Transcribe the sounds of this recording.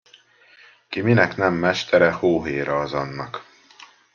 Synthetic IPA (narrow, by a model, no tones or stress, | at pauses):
kiminɛknɛmːɛʃt̪ɛɾɛhoːɦeːɾɒːzɒnːɒk